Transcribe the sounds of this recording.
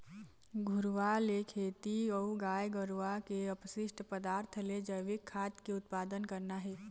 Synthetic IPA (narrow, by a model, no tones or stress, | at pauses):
ɡʱʊɾʋalekʰeːt̪iɔːɡaːjɡəɾʋakeəpʃɪʃʈpəd̪aːɾt̪ʰəled͡ʒəjʋɪkʰːaːt̪keʊt̪̚paːd̪ənkəɾnaɦɛː